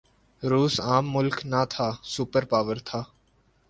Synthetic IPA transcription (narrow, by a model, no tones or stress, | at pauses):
ɾuːsaːmːʊlknat̪ʰaːsuːpəɾpaːʋəɾt̪ʰaː